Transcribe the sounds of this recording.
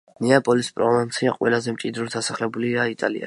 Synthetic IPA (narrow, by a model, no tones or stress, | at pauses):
nɛapʼɔlispʼɾɔvint̪sʰiaqʼwɛlazɛmt͡ʃʼid̪ɾɔd̪asaχlɛbuliait̪ʼa̰lḭa̰